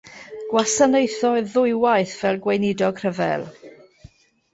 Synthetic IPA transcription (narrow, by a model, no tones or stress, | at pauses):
ɡ̥wasanejθɔɨðʊjwajθv̥ɛlˠɡwejnɪdɔɡ̥ʰr̥əvɛ̰lˠ